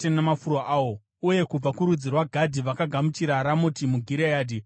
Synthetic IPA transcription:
enamafuɾoʔaːwo | uje̞kub͡vakuɾud͡zirwaɡʱadʱiʋakaɡʱamut͡ʃiɾaɾamotimuɡʱiɾejaːdʱi

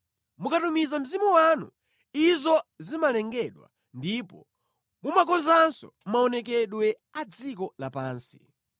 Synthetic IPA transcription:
mukatumizam̩zimuwanṵ | izɔzimalɛŋɡɛɗwa̰ | ndipɔ | mumakɔnzansɔ̰ | maɔnɛk̬ɛɗwɛ | ad͡zik̬ɔlapaːnsi̥

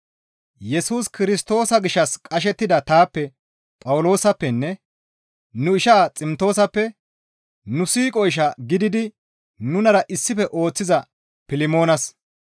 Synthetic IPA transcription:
jɛsuːskɪɾɪst̪o̞ːsɐɡɪʃːɐskʼɐʃ̬ɛt̪ːɪd̪ɐt̪aːpːɛ | pʼɐwʊlo̞ːsɐpːɛnːɛ | nʊɪʃaːt͡sʼɪmt̪o̞ːsɐpːɛ | nʊsiːkʼɔjʃ̬ɐɡɪd̪ɪd̪ɪ | nʊnɐɾɐʔɪsːɪfɛʔo̞ːt͡sːɪzɐ | pɪlɪmo̞ːnɐs

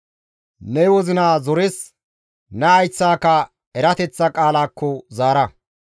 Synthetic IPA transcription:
nɛwɔzɪnaːzɔɾes | nɛɐjt͡sːaːkɐ | ɛɾɐt̪ɛt͡sːɐkʼaːlaːkːɔzaːɾɐ

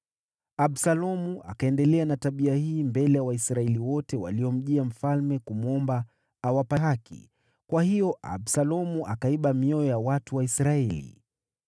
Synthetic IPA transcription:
aɓsalɔmuʔa̰kaɛndɛlɛanataɓiahiːmbɛlɛjawaisɾaɛliwɔtɛwa̰liɔm̩ʄiam̩falmɛkumuɔmbaː | wapaɦakḭ | kwahijɔʔa̰bsalɔmuʔakaiɓamiɔjɔjawatuwaisɾaɛlḭ

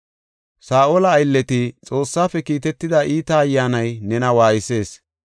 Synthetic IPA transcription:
saːʔoːlɐːjlːɛt̪ɪt͡sʼo̞ːsːaːfɛkiːt̪ɛt̪ːɪd̪ɐʔiːt̪ɐːjːaːnɐjnɛnɐwaːjɪse̞ːs

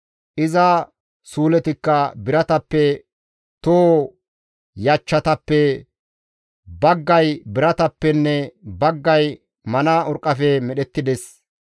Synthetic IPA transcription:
ʔɪzɐ | suːlɛt̪ɪkːɐbɪɾɐt̪ɐpːɛ | t̪oː | jɐt͡ʃːɐt̪ɐpːɛ | bɐɡːɐjbɪɾɐt̪ɐpːɛnːɛbɐɡːɐj | mɐnaːʊɾkʼːɐfɛmɛɗɛt̪ːɪd̪ɛs

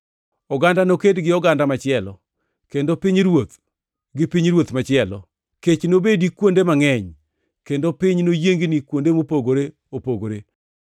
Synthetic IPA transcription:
ɔɡandanokedɡɪɔɡandamat͡ʃɪɛlɔ | kendopɪɲɾwot̪̚ | ɡɪpiɲɾwot̪mat͡ʃɪɛlɔ̰ | ket͡ʃnobedikwondemaŋɛɲ | kendopɪɲnojeŋɡnikwondemopoɡoɾe | opoɡoɾe

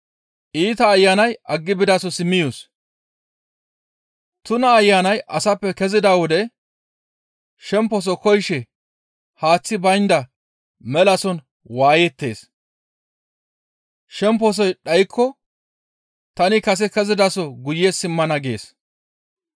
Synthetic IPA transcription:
ʔiːt̪ɐːjːaːnɐjʔɐɡːɪbɪd̪asɔsɪmːɪjos | t̪ʊnɐːjːaːnɐjʔɐsɐpːɛkɛzɪd̪aːwɔd̪ɛ | ʃɛmpːɔs̬ɔkɔjʃɛ | haːt͡sːɪbɐjnd̪ɐ | mɛlɐsɔn | waːjɛt̪ːe̞ːs | ʃɛmpːɔs̬ɔjɗɐjkʰːɔ | t̪ɐnɪkɐs̬ɛkɛzɪd̪asɔɡʊjesɪmːɐnɐɡe̞ːs

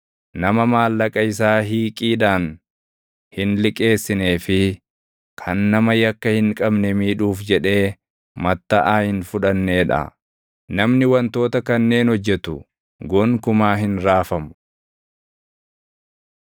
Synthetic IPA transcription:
nɐmɐmaːlːɐkʼɐɪs̬aːɦiːkʼiːd̪aːn | hɪnlɪkʼe̞ːsːɪne̞ːfɪ | kʰɐnːɐmɐjɐkːɐhɪŋkʼɐbnɛmiːᶑuːfd͡ʒɛᶑe̞ː | mɐt̪ːɐʔaːhɪnfʊᶑɐnːe̞ːᶑɐ̰ | nɐmnɪwɐnt̪o̞ːt̪ɐkɐnːe̞ːnhɔd͡ʒːɛt̪ʊ̰ | ɡɔŋkʊmaːɦɪnɾaːfɐmʊ

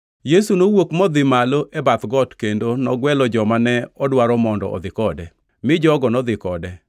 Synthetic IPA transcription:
jesunowokmɔd̪ɪmaloʔɛbat̪ɡɔtkendonɔɡwɛlɔd͡ʒɔmanɛɔdwaɾɔmɔndɔ̰ʔɔ̰d̪ɪkɔdɛ | mɪd͡ʒɔɡɔnɔd̪ɪkɔdɛ

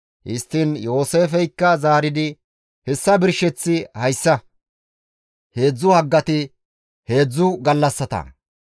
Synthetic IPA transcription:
ʔɪ̰st̪ːɪnjo̞ːse̞ːfɛjkːɐzaːɾɪd̪ɪ | hɛsːɐbɪɾʃɛt͡sːɪhɐjsːɐ | he̞ːd͡zːʊhɐɡːɐt̪ɪ | he̞ːd͡zːʊɡɐlːɐsːɐt̪ɐ̰

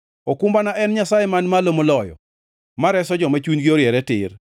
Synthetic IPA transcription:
okumbanaʔɛnɲasajɛmanmalomolɔjɔ̰ | maɾɛsɔd͡ʒɔmat͡ʃunɡioɾjɛɾɛtɪr

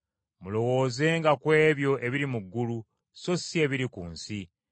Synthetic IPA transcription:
mulo̞wo̞ːze̞ːŋɡakwe̞ːβjo̞ʔe̞βiɾimuɡːulu | so̞sie̞βiɾikuːnsi

